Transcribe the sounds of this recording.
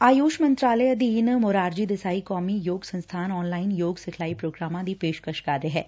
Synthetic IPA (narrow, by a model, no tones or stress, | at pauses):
aːjoːʃmɐ̃nt̪ɾaːləeɐd̪iːnmoːɾaːɾd͡ʒid̪ɪsaːikɔːmijoːɡsɐ̃nst̪ʰaːnɔːnlaːɪnjoːɡsɪkʰlaːipɾoːɡɾaːmãd̪ipeːʃkəʃkaɾeɦɛː